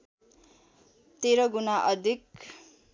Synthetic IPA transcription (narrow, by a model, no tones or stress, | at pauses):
t̪eɾʌɡunaʔʌd̪ʱik̚